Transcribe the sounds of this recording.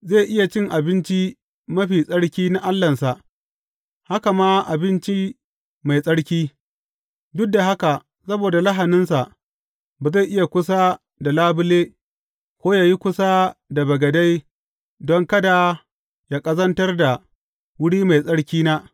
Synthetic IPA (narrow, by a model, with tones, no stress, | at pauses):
zeː˦˨ʔɪ˦ja˨t͡ʃɪ˦˨ŋʔa˨bɪ˦nt͡ʃi˦ | mɐ˦ɸiː˨sʼɐ˦ɽkʲiː˦na˦ʔa˦lːɐ˨nsa˨ʔ | ha˦ka˨maː˦ʔa˨bɪ˦nt͡ʃi˦ | ma˨jsʼɐ˦ɽkʲiː˦ | dʊ˦k̚da˨ɦa˦ka˨ʔ | sɐ˦boː˨da˨la˦ɦa˨nɪ˦nsa˨ʔ | baː˨za˦˨ʔɪ˦ja˨kʷʊ˦s̬a˦ | da˨laː˦bʊ˦leː˦ | kʷoː˦jaː˨ji˦kʷʊ˦sa˦da˨bɐ˨ɡɐ˨da˦j | dɔ˦ŋkɐ˦da˨ | jaː˦kʼɐ˦zɐ˦ntɐ˦rda˨ | wʊ˦ɽiː˦ma˨jsʼɐ˦ɽkʲiː˦naː˦